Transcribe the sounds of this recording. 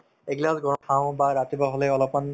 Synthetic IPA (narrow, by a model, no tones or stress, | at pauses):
eɡlasɡɔkʰãw̃baɾat̪ibaɦoleɔlɔpan